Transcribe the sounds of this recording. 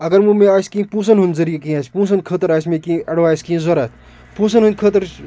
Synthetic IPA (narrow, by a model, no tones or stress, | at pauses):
ɐɡɐɾmumẽaːjskĩːpũːsɐnɦund̪zɐɾijekiaːsʲpũːsɐnkʰət̪əɾaːsmekĩɐɽʋaːjskĩzɐɾɐt̪̚ʰ | pũːsɐnɦũnd̪kʰət̪əɾ